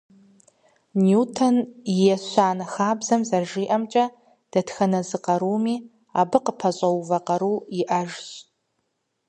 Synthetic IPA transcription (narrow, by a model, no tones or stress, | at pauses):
njutʰonjɛɕʷaːnaxaːbzɐmzɐrʒiːʔɐmt͡ʃʼɐ | d̥ɐtxɐnɐzɨqʼɐɾumi | abɨqʼəpʰɐɕʼɐwvɐqʼɐɾuiʔaʒɕʼ